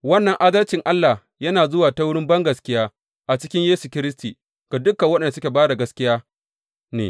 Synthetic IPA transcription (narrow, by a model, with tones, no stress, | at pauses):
wɐ˦nːɐ˨ŋʔa˦dɐ˦lt͡ʃɪ˨ŋʔa˦lːa˨h | jɐ˦naː˨zʊ˦waː˨ta˦wʊ˦ɽɪ˦mbɐ˦ŋɡɐ˨skʲɪ˦jaː˦ | ʔa˨t͡ʃɪ˦kʲɪ˦ɲjeː˦su˨kʲɪ˦ɾɪ˦stiː˨ | ɡ̥a˨dʊ˦kːɐ˨wɐ˦ɗɛ˨nda˨sʊ˦kʲe˨baː˦da˨ɡɐ˦skʲɪ˦jaː˦ | nḛː˨